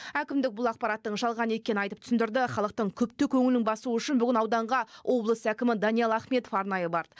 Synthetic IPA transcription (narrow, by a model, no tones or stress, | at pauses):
ækʲɪmd̪ɪk̚bʊlˠɑq̚pɑɾɑt̪ːəɴʒɑlˠʁɑnəe̞kʲe̞nɪnɑjt̪əpt̪ʰʏ̥sɪnd̪ɪɾd̪ɪχɑlˠəq̚t̪əɴkʲʰɵp̚t̪ekʲʰɵŋɪlnɪŋbɑsuəʏʃɪnbʏɡʲɪnɑwd̪ɑɴʁɑwʔo̞blˠəsækʲɪmɪd̪ɑnijɑlˠɑχme̞t̪ofɑɾnɑjəbɑɾd̪ə